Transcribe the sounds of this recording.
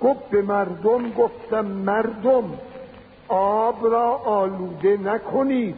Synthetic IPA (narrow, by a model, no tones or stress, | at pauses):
ɡ̥ofbemæɾd̪omɡoft̪æmːæɾd̪om | ɔːbɾɒːʔːluːd̪enækʰoniːd̪̥